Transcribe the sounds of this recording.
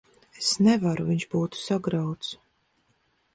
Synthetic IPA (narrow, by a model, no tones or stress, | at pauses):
esnɛvaɾuviɲʃb̥uːt̪u̥saɡɾawt̪s